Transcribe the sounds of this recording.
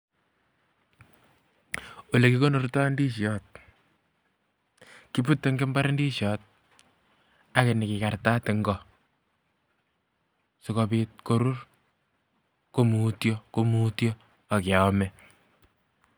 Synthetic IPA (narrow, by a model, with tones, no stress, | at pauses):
o˨le˨kiko˦no˨ɾta˦ndi˦ʃjɔt̚ | ki˨pu˦tːeŋɡe˦mba˦ɾe˦ndi˦ʃjɔt̚ | a˦ke˨nɪ˨kika˨ɾta˦tɪ˨ŋɡɔ | sɪkɔ˨pit̚ko˦ɾu˦r | ko˦mu˨tjoko˦mutjɔː˦˨ | kɪ˨a˨mɛ